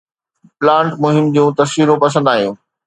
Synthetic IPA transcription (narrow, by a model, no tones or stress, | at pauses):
plãːɳʈmʊɦɪmd͡ʑũːt̪ɐsʋiːɾũpɐs̬ə̃nd̪aːɦijṵ̃ː